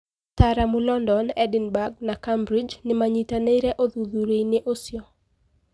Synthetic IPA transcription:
taɾamʊlɔndɔnɛdɪnbaɡ̚nakambɾɪd͡ʒnɪmaɲitaneiɾɛʔoðuðuɾeinɪʔosjɔ

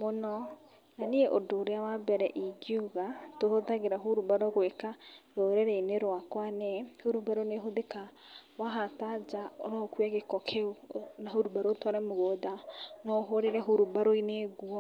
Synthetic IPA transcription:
monɔ | naneeʔodoɾeawabɛɾɛʔiɡiuɣatohoðaɣeɾaɦoɾubaɾoɣwekaɾoɾeɾɛineɾwakwanɛhoɾubaɾoneɦoðeka | waɦatad͡ʒao̰ɾɔkwɛɣekɔkʰeonaɦoɾubaɾotwaɾɛmoɣodanɔɦoɾeɾɛɦoɾubaɾoineɡwɔ

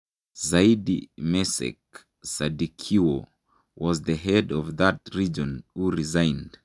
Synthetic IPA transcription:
zaidḭmɛsɛ̰k̚ | sadikʰio | wɔzðəɦɛdɔvðət̚ɹid͡ʒɔ̃nhuɹizãɪ̃nd̥

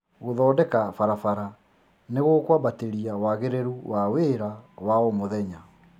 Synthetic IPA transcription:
ɣoðɔːdɛkafaɾafaɾa | neɣokwaβateɾiawaɣeɾeɾuwʔaweɾawaomoðɛɲa

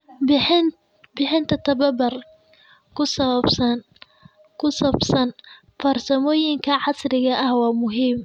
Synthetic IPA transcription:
bɪħɪnt̪ʰɐt̪ʰɐβɐbɐr | kʰʊsɐβɐbsɐn | kʰʊsɐbsɐn | fɐrsɐmɔːjɪŋkʰɐʕɑsrɪɣɐʔɐhwɑːmʊɦiːm

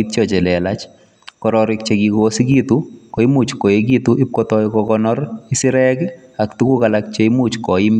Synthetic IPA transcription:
it͡ʃɔt͡ʃɛlɛlat͡ʃ | kɔɾɔɾɪk̚t͡ʃekikosikitukoimut͡ʃkoek̬ituʔɪp̚kɔtɔikɔkɔnɔɾisɪɾɛkaktukukalak̚t͡ʃeimut͡ʃkɔim

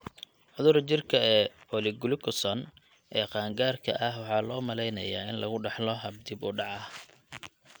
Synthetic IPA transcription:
ʕʊðʊɾt͡ʃɪrkʰɐɛːɔlɪɡʊlɪkʰʊsɔn | ʔɛːqɑːŋɡaːrkʰɐ̰ʔɐhwɑħɑːlɔːmɐlɛjnɐjaːɪnlɐɣʊɖɛħlɔɦɐb̚d̪ɪbʊɖɑʕɑ

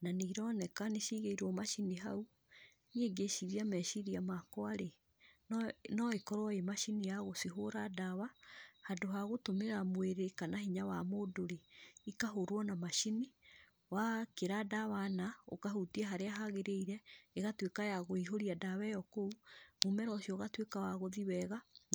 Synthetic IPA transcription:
naniɾɔnɛkaneʃiɣeiɾɔmaʃiniɦa̰u | nieɡeʃiɾiamɛʃiɾiamakɔaɾe | nnɔekɔɾwɔemaʃinijaɣosiɦoɾadawahadoɦaɣotomeɾamweɾekanahiɲawamodoɾeikaɦoɾwɔnamaʃini | wakeɾadawanao̰kaɦutiɛɦaɾeaɦaɣeɾeiɾɛeɣatwekajaɣoiɦoɾiadawɛjɔkouɣumɛɾɔsjɔɣatwekawaɣoðiwɛɣa

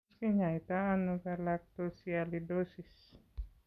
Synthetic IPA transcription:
kiɲait̪aːnukalak̚t̪osialidosis

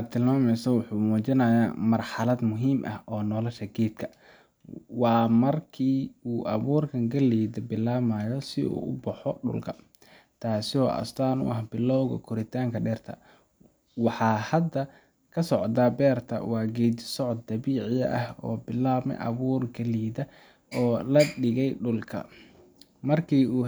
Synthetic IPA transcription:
ad̪̚t̪ʰːɪlmaːmɛjsɐwʊħuːmuːt͡ʃɪnɐjaːmɐrħɑlɐd̪mʊɦiːmʔɐ̰hʔɔːnɔːlɐʃɐɡɛːd̪kʰɐ | wɑːmɐrkʰiːuːʔɐβuːrkʰɐŋɡɐliːd̪ɐbɪlaːmaːjɔsɪṵːʔʊbɐħɔɖʊ̰lkʰɐ | t̪ʰaːsɪɔːʔɐ̰st̪ʰaːnʊ̰ʔɐhbɪlɔwɣɐ̰kʰʊɾɪt̪ʰaːŋkʰɐɖɛːrt̪ʰɐ̰ | wɑħɑːhɐd̪ɐ | kʰɐsɔʕd̪abɛːrt̪ʰɐ̰wɑːɡɛːd̪sɔʕɔd̪̚d̪ɐβiːʕɪjɐ̰ʔɐhɔ̰ːbɪlaːmɛ̰jʔɐ̰βuːrɡɐliːðɐ | ɔːlɐɖɪɣɛjɖʊlkʰɐ̰ | mɐrkʰiːuː

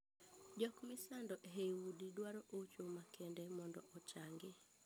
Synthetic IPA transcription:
d͡ʒɔkmɪsandɔʔɦewudidwaɾɔʔot͡ʃomakʰɛndɛmɔndɔʔɔt͡ʃaŋɡɪ

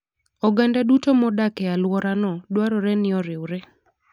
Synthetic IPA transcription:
ɔɡandadutomɔdakɛalwɔɾanɔdwaɾɔɾɛnɪɔɾɪwɾɛ

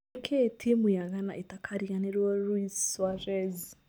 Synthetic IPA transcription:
kʰetʰimujaɣanaʔetakʰaɾiɣaneɾwɔɾuiswaɾɛz

